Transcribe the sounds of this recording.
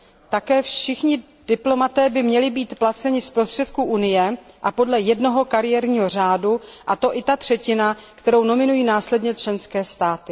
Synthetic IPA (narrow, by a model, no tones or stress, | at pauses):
t̪akɛːfʃɪxɲɪ | d̥ɪplo̞mat̪ɛːbɪmɲɛlɪbiːt̪plat͡sɛɲɪspɾo̞st̪r̥ɛt̪kuʔunɪjɛʔapo̞dlɛjɛdno̞ɦo̞kaɾɪjɛːɾɲiːɦo̞r̝aːduʔat̪o̞ʔɪt̪at̪r̝̥ɛcɪnakt̪ɛɾo̞wno̞mɪnujiːnaːslɛdɲɛt͡ʃlɛnskɛːst̪aːt̪ɪ